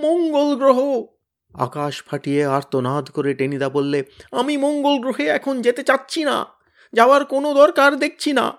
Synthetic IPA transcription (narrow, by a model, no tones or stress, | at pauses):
mɔŋɡolɡɾoɦo | a̰kaʃpʰaʈijeaɾt̪onad̪ʱkoɾeʈenid̪abolːeamimɔŋɡolɡɾoɦeɛkʰond͡ʑet̪et͡ɕatːɕʰina̰ | d͡ʑaoaɾkonod̪ɔɾkaɾd̪ek̚ʰt͡ɕʰina̰